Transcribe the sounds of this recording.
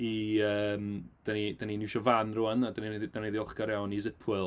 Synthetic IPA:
iəːmd̥ənid̥aninɪwʃɔvanruːanadənieðidaneðiɔlˠχɡaɾjawnizəpʰwɨlˠ

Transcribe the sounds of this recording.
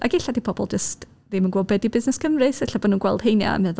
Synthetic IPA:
ʔa̰ɡɪɬadipʰɔbɔ̰lˠd͡ʒəst | ðimənɡwoːbɛdibɪznɛskəmrɨseɬabonuːnɡwɛlˠd̥hejnja̰mɛð

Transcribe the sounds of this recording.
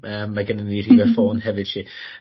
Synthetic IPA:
əːmːaɡənəniːriːvɛfoːnhɛvɪd̥tʰiː

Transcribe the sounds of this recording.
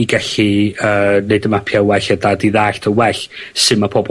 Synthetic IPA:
iɡɛɬiəːneɨdəmapʰjawɛɬədadiðaːɬtʰəwɛɬsɨmapʰɔb

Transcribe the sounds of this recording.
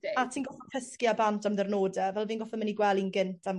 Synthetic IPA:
atʰiːnɡɔɔkʰəskjabantʰamdɛrnoːdɛvɛlˠviːnɡɔfɔməniɡwɛlˠinɡɪntʰam

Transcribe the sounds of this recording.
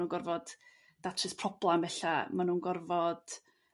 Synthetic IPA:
uːnɡɔrvɔd̥ | d̥atʰrəspʰrɔblˠambɛɬamanunɡɔrvɔd̥

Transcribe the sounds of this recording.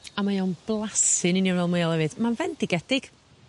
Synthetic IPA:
amajownblˠasɨnɪnianvɛlˠmejalˠɛvɨd̥manvɛnd̥ɪɡɛd̥ɪɡ̥

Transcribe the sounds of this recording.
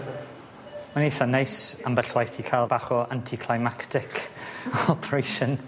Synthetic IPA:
manejθɔnejsambəɬwajθikʰajlˠbaχɔantʰikʰlˠajmaktʰɪkʰ | ɔpʰɾejʃən

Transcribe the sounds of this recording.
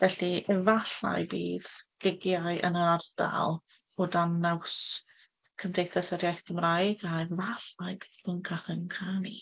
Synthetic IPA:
vɛɬiɛvaɬa̰jbiːðɡ̥ɪɡjaɨʔə̰nəɾard̥a̰lˠ | ɔdanaws | kʰəmdejθəsədjajθkʰəmrajɡaɛvaɬajbiːðb̥ʰəŋkʰaχənkʰani

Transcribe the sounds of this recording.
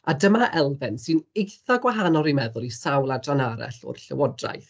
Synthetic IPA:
adəmaʔɛlˠvɛnsɨnejθaɡwaɦanɔɾimɛðʊlˠisawlˠadranaɾɛ̰ɬɔ̰rɬəwɔdra̰jθ

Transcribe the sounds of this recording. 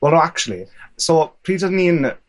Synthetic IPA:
wɛlˠnoak̚t͡ʃulˠḭsoːpʰr̥iːdədn̩iən

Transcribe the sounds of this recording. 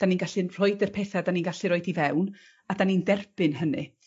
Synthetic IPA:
d̥aninɡaɬinr̥ɔɨdərpʰeːθadaniːnɡaɬiɾoɨdivɛwn | adanindɛrb̥ɨnɦənɨ

